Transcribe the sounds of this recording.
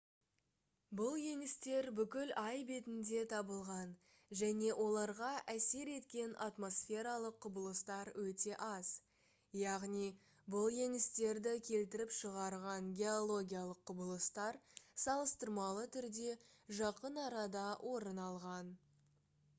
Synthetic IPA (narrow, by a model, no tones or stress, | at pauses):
bʊlˠje̞ŋɪst̪e̞ɾbʏkʲɪlɑjbe̞t̪ɪnd̪e̞t̪ʰɑbəlˠʁɑn | ʒæne̞wʔo̞lˠɑɾʁɑʔæse̞ɾe̞t̪kʲe̞nʔat̪mo̞sfe̞ɾɑlˠəqʰːʊbəlˠəst̪ɑɾwɵt̪e̞ʔɑz̥ | jɑʁnij | bʊlˠje̞ŋɪst̪e̞ɾd̪ɪkʲʰe̞lt̪ɪɾɪpʃəʁɑɾʁɑŋɡʲe̞o̞lˠo̞ɡʲijalˠəqʰːʊbəlˠəst̪ɑɾsɑlˠəst̪əɾmɑlˠət̪ʰʏɾd̪e̞ʒɑqənɑɾɑd̪ɑwʔo̞ɾənɑlˠʁɑn